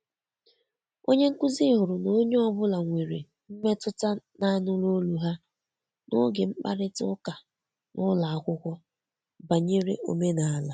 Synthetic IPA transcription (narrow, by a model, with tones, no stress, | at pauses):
o˦ɲe˦ŋ̩˦kʊ˦zi˦ɦʊ˨ɾʊ˨no˦ɲe˦ɔ˦bʊ˦la˨ŋʷe˨ɾḛ˨ | m̩˦me˦tʊ˦ta˦na˦nʊ˦lo˦lu˨ɦa˦ | nʊ̰˦ɡe˨m̩˦k͡pa̰˦ɾɪ˦tʊ˦ka˨ | nʊ˦la˨a˨kʷʊ˦kʷɔ˦ | ba˨ɲe˦ɾḛ˦ʔo̰˨me˦na˨a˦la˨